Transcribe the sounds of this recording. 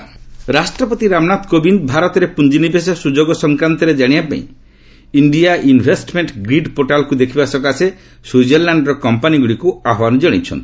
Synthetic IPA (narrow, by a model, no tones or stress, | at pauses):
ɾasʈɾɔpɔt̪iɾamnat̪kobind̪bʱaɾɔt̪ɔɾepund͡ʒinibʱesɔsud͡ʒoɡɔsɔŋkɾant̪ɔɾed͡ʒaɽ̃ijapa̰ḭ̃ | iɳɖiaʔinbʱesʈmeɳʈɡɾiɖpoʈalkud̪ekʰibasɔkase | sud͡ʒeɾlaɳɖɾɔkɔmpaniɡuɽikuaɦɔwanɔd͡ʒɔɽ̃it͡ʃʰɔ̰nt̪i̥